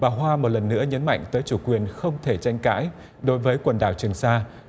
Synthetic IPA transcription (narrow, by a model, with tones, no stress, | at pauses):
ɓaː˨˩ɦwaː˧mo˨˩t̚lə˨˩nːɨ̰˧˥əɲə˨˦nma̰˧˨jŋ̟t̪əː˨˦jt͡ɕu˧˩kwi˨˩ənxə˧wŋ͡mt̪ʰe˧˩t͡ɕa˧jŋ̟ka̰ː˧˥j | ɗo˨˦jvəː˨˦jkwə˨˩nɗa̰ː˧˩wt͡ɕɨ˨˩əŋsaː˧